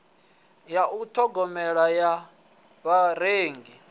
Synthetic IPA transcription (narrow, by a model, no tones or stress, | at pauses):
jautʰɔɡɔmɛɺaja | βaɾeːŋɡi